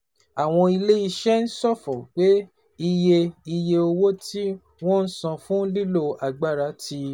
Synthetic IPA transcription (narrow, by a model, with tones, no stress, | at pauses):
a˨w̃ɔ̃˧i˧le˦i˧ʃɛ˦n̩˦sɔ˦˨fɔ˨k͡pe˦ | i˧je˧i˧je˧o˧wo˦tʰi˦ | w̃ɔ̃˦n̩˦sã˧fũ˦li˦lo˧˨a˨ɡ͡ba˦˨ɾa˨˦tʰi˧